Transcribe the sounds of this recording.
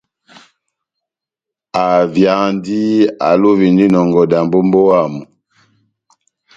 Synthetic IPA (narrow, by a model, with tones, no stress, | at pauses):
a˨vja˨ndi˦a̰˨lu˦vi˨ndi˦nɔ˨ŋɡɔ˨da˨mbo˦mbo˦wa˦˨mu˨